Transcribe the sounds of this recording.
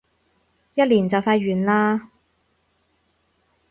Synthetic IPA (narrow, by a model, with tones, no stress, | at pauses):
jɐ˥t̚liː˨˩nt͡sɐ˨wfaː˧ɥyː˨˩nlaː˧˥